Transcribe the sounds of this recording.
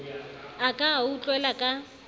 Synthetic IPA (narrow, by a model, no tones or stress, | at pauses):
akʼaːut͡ɬʼwɛlakʼa